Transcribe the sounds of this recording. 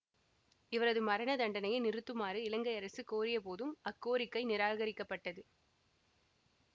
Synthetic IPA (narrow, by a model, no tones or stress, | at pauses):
ɪʋɐɾɐðɯmɐɾɐɳɐd̪ɐɳɖɐnɐjɐnɪɾɯt̪ːɯmaːɾɯɪlɐŋɡɐɪɐɾɐsɯkoːɾɪjɐpoːðɯmɐkːoːɾɪkːɐɪnɪɾaːɣɐɾɪkːɐpːɐʈːɐðɯ